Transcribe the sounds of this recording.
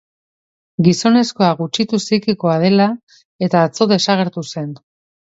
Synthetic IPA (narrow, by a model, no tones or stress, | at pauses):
ɡiso̞ne̞sko̞aɣut͡ʃit̪usikiko̞aðe̞la | e̞t̪aːt͡so̞ðe̞saɣ̞e̞ɾt̪use̞n